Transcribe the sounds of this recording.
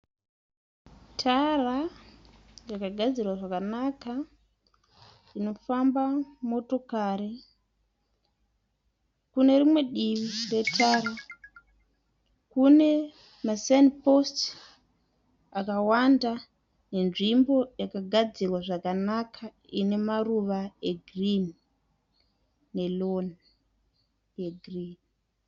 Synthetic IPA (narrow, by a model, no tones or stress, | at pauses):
tʰara | jakaɡʱad͡zirwaʐakanaka | ino̞fambamo̞to̞kaɾi | kune̞rimwe̞ɗiʋire̞tʰaːɾa | kune̞ | masenpost | akawanda | ne̞nʐimbo̞jakaɡʱad͡zirwaʐakanakʰa | ḭne̞maruʋaeɡrin | e̞lon | jeɡʱrin